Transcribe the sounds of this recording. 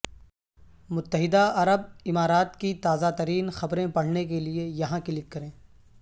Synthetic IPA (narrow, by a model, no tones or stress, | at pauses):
mʊt̪ːəɦɪd̪aɐɾəb̚ɪmaːɾaːt̪kit̪aːzat̪ɐɾiːnxɐbɾẽpɐɽ̤nekeliejɐɦãkɪlɪkːɐɾẽː